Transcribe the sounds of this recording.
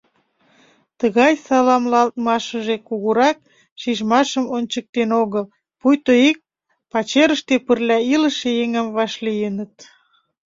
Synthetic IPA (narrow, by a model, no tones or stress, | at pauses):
t̪əɣɑjsɑlɑmlɑlt̪̚mɑʃəʒekuɣuɾɑk̚ | ʃiʒmɑʃəmonʲt͡ɕək̚t̪enoɣəl | pujt̪oik̚ | pɑt͡ɕeɾəʃt̪epərlʲæiləʃejeŋəmvɑʃlijənət̪